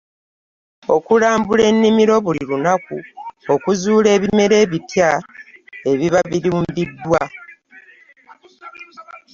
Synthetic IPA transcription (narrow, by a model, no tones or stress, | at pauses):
o̞kulaːmbule̞nːimiɾo̞βuliɾunakṵo̞kuzuːle̞ːβime̞ɾe̞ːβitja | e̞βiβaβiɾuːmbidːwa